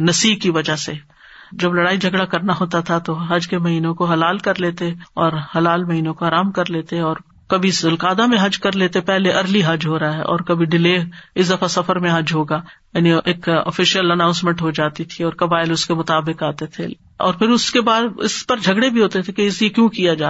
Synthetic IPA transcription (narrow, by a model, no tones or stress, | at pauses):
nɐsiːb̚kiʋɐd͡ʒaɦse | d͡ʒɐblɐɽaːid͡ʒʱɐɡɽakɐɾnaɦoːt̪at̪ʰat̪oɦɐd͡ʒkemɐɦiːnõkoɦɐlaːlkɐɾleːt̪eɔːɾhɐlaːlmɐɦiːnõkoɦaːɾaːmkɐɾleːt̪eɛɔːɾ | kɐbʱisʊlkaːd̪amẽɦɐd͡ʒkɐɾleːt̪epɛɦleʔɐɾliɦɐd͡ʒɦoːɾɐaɦɛʔɔ̰ːɾkɐbʱiɖɪleːɪsd̪ɐfasɐfəɾmẽɦɐd͡ʒɦoːɡaːjaːnieːkɔ̰ːfɪʃijəlɐnãːʊ̃nsmɛ̃ɳʈɦod͡ʒaːt̪it̪ʰiɔːɾkɐbaːɪlʊskemʊt̪aːbɪkaːt̪et̪ʰḛ | ɔ̰ːɾpʰɪɾʊskebaːd̪ɪ̰spɐɾd͡ʒʱɐɡɽebʱiɦoːt̪et̪ʰekeɪsiekjũːkijad͡ʒaː